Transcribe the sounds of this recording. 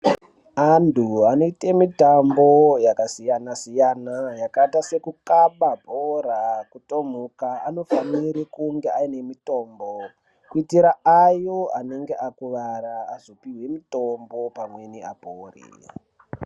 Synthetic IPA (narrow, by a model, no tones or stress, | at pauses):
antʰuano̞ite̞mitambo̞jakasijanasijanajakatase̞kukaɓabʱorakuto̞m̤ukaːno̞faniɾikuŋɡe̞ʔaine̞mito̞ːmbo | kuitiɾaajo̞ane̞ŋɡeʔakuʋaɾa̰ːzo̞piwe̞mitombo̞pamwe̞nia̰poːrḭ